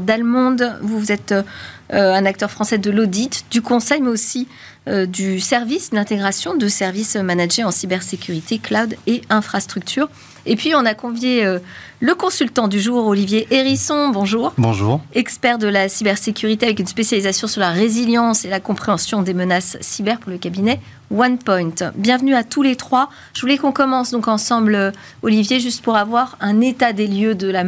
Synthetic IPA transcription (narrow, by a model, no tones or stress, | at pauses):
d̪almɔ̃d̪vuvuzɛt̪ | ɛ̃nak̚t̪œʁfχɑ̃sɛd̪əlod̪it̪d̪ykɔ̃sɛjmɛosi | ød̪ysɛʁvisd̪lɛ̃t̪eɡʁasjɔ̃d̪əsɛʁvismanaʒeɑ̃sibɛʁsekʲyʁit̪eklawd̪eɛ̃fχast̪χyk̚t̪ʰyːʁ | epɥiɔ̃nakɔ̃vjeø | ləkɔ̃sylt̪ɑ̃d̪yʒuʁolivjeʔeʁisɔ̃bɔ̃ʒuːʁbɔ̃ʒuʁɛkspɛʁd̪əlasibɛʁsekʲyʁit̪eavɛkynspesjalizasjɔ̃syʁlaʁeziljɑ̃selakɔ̃pχeɑ̃sjɔ̃d̪emənasːibɛʁpuʁləkʲabinɛ | wanpɔj̃t̪bjɛ̃vnyat̪ulet̪χwa | ʒ̥əvulɛkɔ̃kɔmɑ̃sd̪ɔ̃kɑ̃sɑ̃blø | ɔlivjeʒyst̪puʁavwaʁɛ̃net̪ad̪eljød̪əla